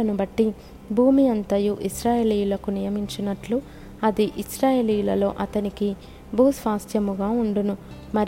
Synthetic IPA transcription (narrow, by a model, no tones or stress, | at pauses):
ɐnubɐʈːi | bʱuːmiɐnt̪ɐjuʔisɾaːjeːliːjulɐkunijɐmiɲt͡ʃinɐʈlu | ɐd̪iʔisɾaːjeːliːjulɐlo̞̰ːʔɐt̪ɐniki | bʱuːsʋaːsjɐmuɡaːuɳɖunu | mɐɾ